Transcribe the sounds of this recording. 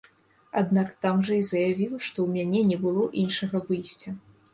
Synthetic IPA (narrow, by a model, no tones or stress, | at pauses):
ad̪nakt̪amʐɐizɐjavʲiwʂt̪ɔwmʲanʲɛnʲɛbɨlˠɔʔinʂɐɣɐvɨjsʲt͡sʲɐ